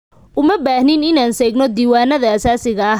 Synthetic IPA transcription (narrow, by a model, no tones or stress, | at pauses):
ʔʊmɐbaːhnɪnɪnaːnsɛːɡnɔd̪iːwaːnɐðɐɐsaːsɪɣɐː